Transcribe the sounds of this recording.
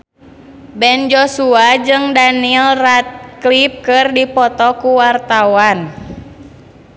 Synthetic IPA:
bɛnd͡ʒɔsuad͡ʒɨŋdanilrat̪̚klip̚kɨrdipɔt̪ɔkuwart̪awan

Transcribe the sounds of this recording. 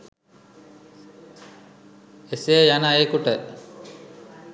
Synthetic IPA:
esejəjanaeːkuʈə

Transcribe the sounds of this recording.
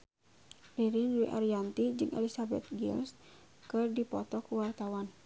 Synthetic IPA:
riɾiniʔa̰ɾiant̪id͡ʒɨŋʔɛ̰lisabɛ̰t̪̚ɡḭls | kɨrdipɔt̪ɔkuwart̪awan

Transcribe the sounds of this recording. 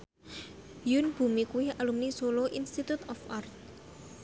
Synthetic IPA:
junb̥ṳmikuwɪhalumnisoloʔinst̪it̪ut̪ɔfart̪̚

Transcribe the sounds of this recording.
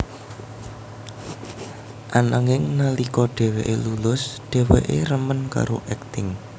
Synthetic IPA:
ʔanaŋɪŋnalikɔɖ̥ɛ̤weʔelulʊsɖ̥ɛ̤wḛʔeɾəmənka̰ɾoʔɛk̚t̪ɪŋ

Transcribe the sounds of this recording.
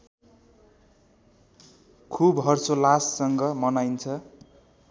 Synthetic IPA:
kʰubɦʌrsolasːʌŋɡʌmʌnajnt͡sʰʌ

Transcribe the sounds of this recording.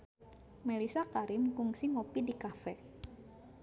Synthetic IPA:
melisakaɾɪmkuŋsiŋopidikafɛ

